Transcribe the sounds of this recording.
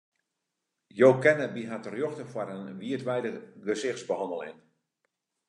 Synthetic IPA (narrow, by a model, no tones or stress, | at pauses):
joːkɛnəbiɦatərjoxtəfwaɾənʋiətʋɛjdəɡəsɪxtsbəhɑndəlˠɪ̰n